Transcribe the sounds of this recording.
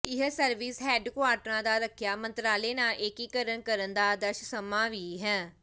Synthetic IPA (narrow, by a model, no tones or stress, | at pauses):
ɪɦsəɾʋiːsɦɛːɖkʊaːɾʈɾãːd̪aːɾəkʰjaːmənt̪ɾaːleːnaːlʔekiːkəɾənkəɾənd̪aːd̪əɾʃsəmãːʋiːɦɛ̃ː